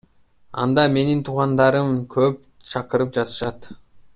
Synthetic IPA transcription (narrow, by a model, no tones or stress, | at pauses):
ɑ̰nd̪ɑme̞nint̪ʰuʁɑnd̪ɑɾəmkʲʰɵp̚ | t͡ʃʰɑqəɾəp̚d͡ʒɑt̪ə̥ʃɑt̪